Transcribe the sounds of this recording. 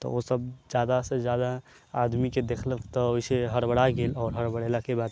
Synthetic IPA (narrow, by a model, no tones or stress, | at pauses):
t̪ɔ̰osəbd͡ʒjaːd̪ased͡ʒjaːd̪a | aːd̪miked̪eːkʰləkt̪ɔoiseɦəɾbəɽaɡeːlɔːɾɦəɾbəɽelakebaːd̪